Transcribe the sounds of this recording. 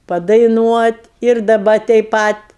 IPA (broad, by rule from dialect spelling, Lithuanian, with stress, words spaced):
pɐdɐɪˈnuɔtʲ ɪr dɐˈbɐ tʲɛɪp ˈpɐt